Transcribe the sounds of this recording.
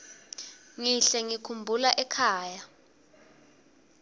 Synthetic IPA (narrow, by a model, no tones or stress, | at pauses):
ŋiɬɛŋikʰumbʱulaʔɛkʰaːja